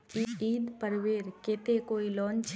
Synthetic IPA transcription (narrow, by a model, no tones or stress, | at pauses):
kiiːd̪pəɾʋeːɾket̪ekoːilɔːnt͡ʃʰ